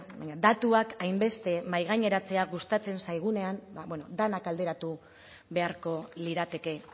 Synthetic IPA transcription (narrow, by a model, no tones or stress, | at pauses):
baɲad̪at̪uakajmbe̞st̪e̞majɣ̞aɲe̞ɾat͡se̞aɣust̪at͡se̞nsajɣ̞une̞ambaβweno̞̰d̪anakald̪e̞ɾat̪u | βe̞aɾko̞liɾat̪e̞ke̞